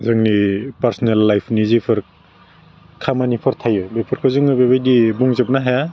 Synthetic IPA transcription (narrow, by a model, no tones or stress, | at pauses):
zɯŋnipaɾsɔnelːajpʰnizipʰɯɾ | kʰamanipʰɯɾtʰajɔjbejpʰɯɾkʰazɯŋɯbebajdibuŋzep̚naɦaja